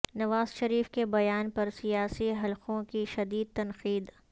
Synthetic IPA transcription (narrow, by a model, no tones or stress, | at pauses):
nɐʋaːzʃɐɾiːfkebɐjaːnpɐɾsijaːsiɦɐlqõkiʃɐd̪iːd̪̚t̪ɐnqiːd̪